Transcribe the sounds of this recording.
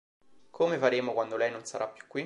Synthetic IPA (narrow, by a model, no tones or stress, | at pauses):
kʰomefaɾeːmokwand̪olɛjnonsaɾʔapːju̥kːwi